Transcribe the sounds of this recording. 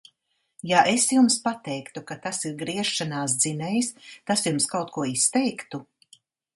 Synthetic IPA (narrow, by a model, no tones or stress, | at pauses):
jaʔesjumspat̪ɛjkt̪ukat̪asiɾɡɾiɛʃːanaːs̬d̪zinɛjst̪asjumskawt̪kuɔist̪ɛjkt̪u